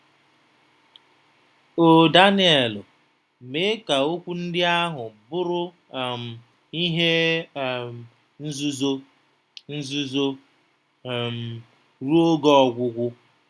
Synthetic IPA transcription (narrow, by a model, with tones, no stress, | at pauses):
o˨da˦ni˦e˨lʊ˨ | me˦ka˨o˦kʷu˦n̩˦dɪ˦a˦ɦʊ˨bʊ˦ɾʊ˦˨ | m̩˨ | i˦ɦe˦˨ | n̩˦zu˦zo˦ | n̩˦zu˦zo˦˨ | m̩˨ | ɾu˦o˦ɡɔ˦ɔ˦ɡʷʊ˦ɡʷʊ˦